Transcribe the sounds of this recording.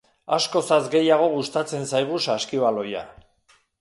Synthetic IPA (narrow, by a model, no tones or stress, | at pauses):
asko̞sazɡe̞jaɣ̞o̞ɣ̞ust̪at͡se̞nsajɣ̞usaskiβalo̞ja̰